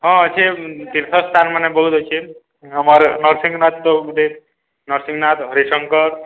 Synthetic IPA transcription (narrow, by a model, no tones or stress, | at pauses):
ɦʌ̃ət͡ʃʰit̪iɾt̪ʰəst̪ʰanmanebʌɦut̪ɦot͡ʃʰi | ɦʌməɾnəɾsiŋɡnat̪d̪od̪e | nʌɾsĩŋɡnat̪ɦʌɾisəŋkəɾ